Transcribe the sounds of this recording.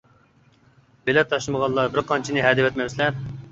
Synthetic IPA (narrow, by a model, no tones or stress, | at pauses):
belɛt̪ʰːɑʃlˠɨməʁɑlˠːɑbɪɾqʰɑnt͡ʃʰinɨɦɛd̪ɪwɛt̪mɛwslɛɾ